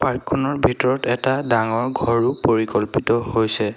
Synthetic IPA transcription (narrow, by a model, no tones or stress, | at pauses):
paɹkʰːɔnɔɹbʱitɔɹɔtɛtadaŋɔɹɡʱɔɹupoɹikɔlpitɔhojsɛ